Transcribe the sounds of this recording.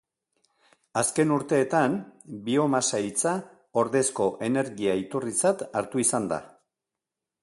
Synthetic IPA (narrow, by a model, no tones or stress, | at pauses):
aske̞nuɾt̪e̞ːt̪anbio̞masajt͡sa | o̞ɾðe̞sko̞ʔe̞ne̞ɾɣiait̪urit͡sat̪aɾt̪uisand̪a̰